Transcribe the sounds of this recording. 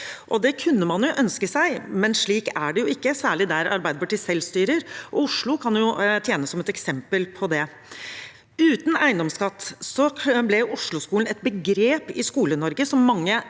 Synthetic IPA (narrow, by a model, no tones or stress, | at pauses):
ʔɔd̪ɛkʰʉnːəmɑnjʊʔœnskəsæɪmɛnʂɭiːkæɖɛjʊɪkːəsæːɭɪd̪æɾɑ̰ɾbæɪd̪əpʰɑʈiːsɛlst̪yːɾəɾʔɔʊʂɭʊkʰɑnjʊt̪ʰjeːnəsːɔmɛt̪ɛksɛmpəlpʰɔd̪ɛ | ʉːt̪næɪnd̪ɔmskɑt̪ːsɔblɛʊʂɭʊskuːln̩ɛt̪̚bəɡɾeːpɪskuːlənɔɾɡəsɔmːɑŋːə